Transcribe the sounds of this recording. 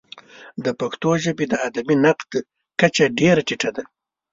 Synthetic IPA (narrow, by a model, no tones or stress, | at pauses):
d̪əpakt̪oʒəbed̪əad̪aminaqd̪ | kat͡ʃaɖeɾaʈiʈad̪a